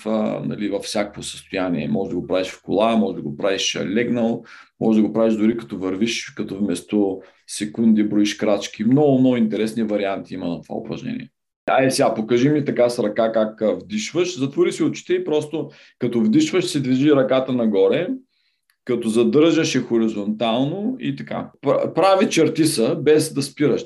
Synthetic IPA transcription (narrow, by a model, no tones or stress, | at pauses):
fə̰nɐ̰livɐfsʲjakvosə̥st̪ʊjanḭɛ̰mɔʒd̪ɐɡopɾaviʃfko̰lˠamɔʒɛd̪ɐɡopɾaviʃlɛɡnəlˠmʔɔ̰ʒɛd̪ɐɡopɾaviʒd̪ʊɾikɐt̪ɔvɐɾviʃkɐt̪ɔfmɛst̪o | sɛkund̪ibɾɔiʃkɾat͡ʃk̟imnɔɡʊmnɔɡʊint̪ɛɾɛsnivɐɾiant̪iimɐnt̪ova̰ʊ̰pɾɐ̰ʒnɛ̰nʲḭɛ̰ | a̰isɛɡapokəʒimit̪ɐkasɾɐkakakvd̪iʃvəʃzɐt̪voɾisiʊt͡ʃi̥t̪ɛipɾɔst̪o | kɐt̪ɔvd̪iʃvəʃsɛd̪viʒiɾɐkat̪ənɐɡɔɾɛ | kɐt̪ɔzɐd̪ɤɾʒəʃɛxʊɾizont̪alˠnoḭt̪ɐka̰ppɾavit͡ʃɛɾt̪isəbɛzd̪ɐspiɾəʃ